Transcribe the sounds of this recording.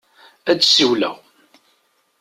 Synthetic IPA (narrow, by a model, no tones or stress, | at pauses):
æd̪siwlæ̰